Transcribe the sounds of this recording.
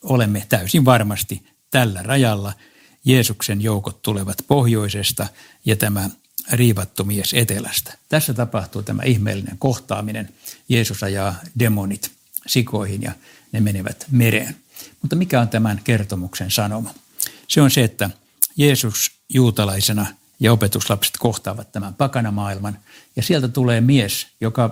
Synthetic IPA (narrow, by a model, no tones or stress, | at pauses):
olemːet̪æysiʋʋɑrmɑst̪i | t̪ælːærɑjɑlːɑ | jeːsuksenjoukot̪t̪uleʋɑt̪pohjoisest̪ɑ | jɑt̪æmæ | riːʋɑt̪ːumieset̪elæ̰st̪æ̥t̪æsːæt̪ɑpɑht̪uːt̪æmʔæ̰ihmḛːlːinḛŋkoht̪ɑ̰ːminḛnjeːsusɑjɑːdemonit̪ | sikoihinjɑ̰ | nemeneʋæ̰t̪meɾḛːn | mut̪ːɑmikæont̪æmænkert̪omuksensɑnomɑ | seonseet̪ːæ | jeːsus | juːt̪ɑlɑisenɑ | jɑopet̪uslɑpse̥t̪koht̪ɑːʋɑt̪t̪ːæmæmpɑkɑnɑmɑːilmɑn | jɑsielt̪æt̪uleːmiesjokɑ